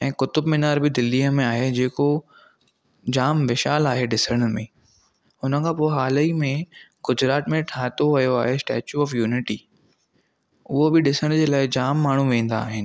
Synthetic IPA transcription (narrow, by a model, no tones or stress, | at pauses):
ɛ̃ːkʊt̪ʊbmɪnaːɾbɪd̪ɪlːiːɦəmẽaːɦed͡ʑeːko | d͡ʑaːmʋɪʃaːlaːɦeɗɪsəɽ̃mẽː | ʊnəkʰãːpoːɪɦaːləimẽɡʊd͡ʑɾaːt̪mẽʈʰaːt̪oʋɐjoaːɦesʈɛ̰ːt͡ɕuɔːfjuːnɪʈiː | ʊɦobɪɗɪsəɽ̃d͡ʑeːlaːɪd͡ʑaːmːaːɳ̤uʋẽːn̆d̪a̰ːɦɪnɪ̆